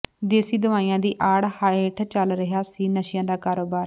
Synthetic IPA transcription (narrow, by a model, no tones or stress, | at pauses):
d̪eːsiːd̪əʋaːiːjãːd̪iːʔaːɽhəeːʈʰt͡ʃəlɾəɦaːsiːnəʃɪjãːd̪aːkaːɾoːbaːɾ